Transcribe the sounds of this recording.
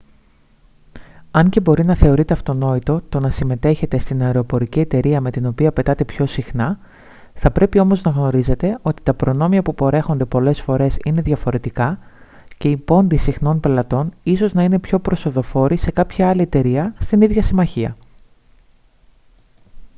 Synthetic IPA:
ɐɲce̞bo̞ɾinɐθe̞o̞ɾit̪e̞ɐft̪o̞no̞it̪o̞t̪o̞nɐsime̞t̪e̞çe̞t̪e̞st̪inɐeɾo̞po̞ɾicie̞t̪e̞ɾiɐme̞t̪ino̞piɐpe̞t̪ɐt̪e̞pço̞sixnɐ | θɐpɾe̞pio̞mo̞znɐɣno̞ɾize̞t̪e̞o̞t̪i̥t̪ɐpɾo̞no̞miɐpupo̞ɾe̞xo̞nd̪e̞po̞le̞sfo̞ɾe̞sine̞ðʝɐfo̞ɾe̞t̪ikɐ | ce̞ipo̞nd̪isixno̞npe̞lɐt̪o̞niso̞znɐine̞pço̞pɾo̞so̞ðo̞fo̞ɾise̞kɐpçɐɐlie̞t̪e̞ɾiɐst̪iniðʝɐsimɐçiɐ

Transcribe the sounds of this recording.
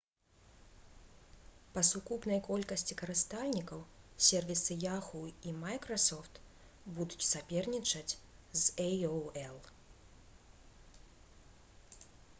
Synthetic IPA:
pɐsukupnɐjkɔlʲkɐsʲt͡sʲikɐɾɨst̪alʲnʲikɐwsʲɛrvʲisɨjaxuimajkɾɐsɔft̪ | bud̪ut͡sʲsapʲɛrnʲit͡ʂɐt͡sʲzɛjoɛlˠ

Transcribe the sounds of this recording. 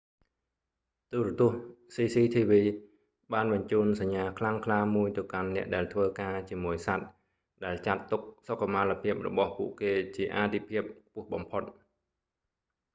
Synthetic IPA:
t̪uːɾət̪ʊ̆əhsiːsiːt̪ʰiːʋiː | ɓaːnɓɑɲt͡ɕuːnsaɲːaːkʰlaŋkʰlaːmuəjt̪ɨwkanːɛ̆əʔɗaɛlt̪ʰʋəːkaːt͡ɕiəmuəjsat̪̚ | ɗaɛlt͡ɕat̪ːuk̚sokːamaːlapʰiəp̚rɔ̰ɓɑhpuəʔkeːt͡ɕiəʔaːt̪ʰipʰiəp̚puəhɓɑmpʰot̪̚

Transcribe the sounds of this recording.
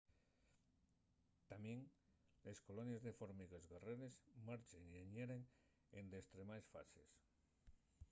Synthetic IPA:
t̪amjeŋ | leskolonjezðefoɾmiɣezɣareɾezmaɾt͡ʃeŋieɲeɾeŋ | end̪est̪ɾemaesfa̰sḛs

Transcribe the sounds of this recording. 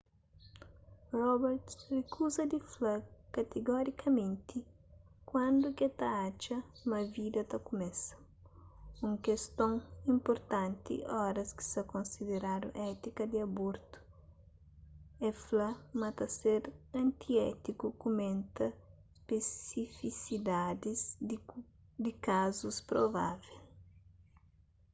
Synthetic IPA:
rɔbɛɾt̪rekʰuzɐd̪iflɐkɐt̪eɡɔɾikʰɐmẽnt̪i | kwɐ̃nd̪uket̪aat͡ʃɐmɐvid̪ɐt̪ɐkumɛsɐ̥ | ũŋkest̪õŋĩmpoɾt̪ãnt̪ḭʔɔɾɐski̥sɐkõnsid̪eɾaɾṵ̃ʔɛt̪ikɐd̪iɐboɾt̪u̥ | ɛflɐmɐt̪ɐseɾɐ̃nt̪iɛt̪ikukumẽnt̪ɐ | spesifisid̪ad̪iz | d̪ikazuspɾova̰vel

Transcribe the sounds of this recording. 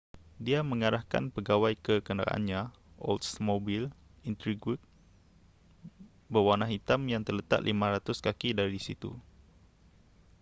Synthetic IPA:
diamə̃ŋaɾahka̰npəɡawajkəkənda̰a̰ʔa̰nɲã | ʔo̰ltsmobil | int̪ɾiɡut̪̚ | bəwanãɦit̪amjaŋt̪ərlət̪a̰ʔ̪lʔimãɾat̪ʊskakidaɾisit̪ṵ

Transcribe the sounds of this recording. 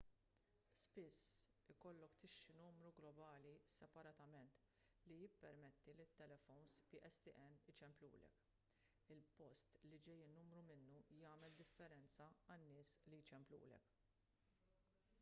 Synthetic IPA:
spɪsː | ɪkɔlːɔkt̪ɪʃːɪnuːmɾuɡlɔbɐːlisɛpɐɾɐt̪ɐmɛnt̪ | lijɪpːɛɾmɛt̪ːilɪt̪ːɛlɛfɔwnspiʔɛst̪iʔɛnːɪt͡ʃɛmplṵːlɛ̰k | ɪlpɔst̪lid͡ʒɛjːɪːnːuːmɾumɪnːujɐːmɛld̪ɪfːɛɾɛnt͡sɐɐnːɪːslijt͡ʃɛmplṵːlɛ̰k

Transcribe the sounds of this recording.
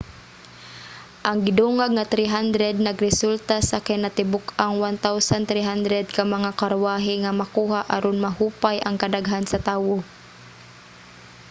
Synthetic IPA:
ʔaŋɡɪd̪uːŋaɡ̚ŋat̪ɾiɦand̪ɾɛd̪̚nɐɡɾɛsult̪asakajnat̪ɪbʊkaŋwant̪awsant̪ɾiɦand̪ɾɛd̪̚kamaŋakaɾwaːɦɪŋamakuːɦaʔaɾonmaɦuːpajʔaŋkad̪aɡɦansat̪aːwo

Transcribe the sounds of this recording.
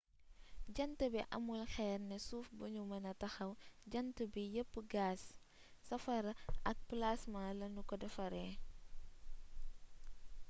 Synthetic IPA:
ɟɐntəbiʔɐ̰mulxɛːrnɛsuːfbuɲumɐnɐtɐxɐwɟɐntəbijəpːəɡaːsː | ɐfɐɾɐʔɐk̚plasmalɐnukɔdɐfɐɾɛː

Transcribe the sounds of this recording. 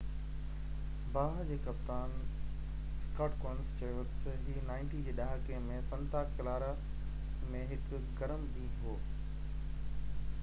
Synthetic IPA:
baːɦd͡ʑeːkɐp̚t̪aːn | skaːʈkɔːnst͡ɕɐjʊt̪ɐd͡ʑiːnãːɪnʈid͡ʑeːɗaːɦəkemẽsɐ̃nt̪aːkɐlaːɾa | mẽɦɪk | ɡɐɾəmɗĩːɦoː

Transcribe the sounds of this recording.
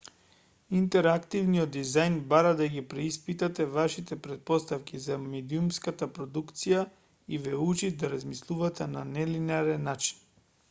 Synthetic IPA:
int̪ɛɾakt̪ivniɔd̪ːizajnbaɾad̪aɡipɾɛispit̪at̪ɛvaʃit̪ɛpɾɛt̪̚pɔst̪afkʲizamɛd̪iumskat̪apɾɔd̪ukt̪sija | ivɛut͡ʃit̪d̪aɾazmislˠuvat̪ɛnanɛlinaɾɛnːat͡ʃi̥n

